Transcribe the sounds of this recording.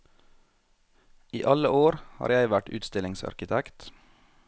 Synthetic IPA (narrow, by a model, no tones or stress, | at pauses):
iːʔɑləoːɾhɑ̰ːɾjæɪʋæʈʉ̰ːt̪st̪ɪlɪŋsɑ̰ɾkɪt̪ʰɛkt̪